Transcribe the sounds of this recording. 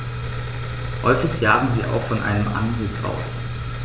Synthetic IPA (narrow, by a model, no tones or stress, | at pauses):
hɔ̰ʏfɪçjaːbm̩ziːʔa̰ʊxfɔnʔa̰ɪnəmʔa̰nzɪt͡sʔa̰ʊs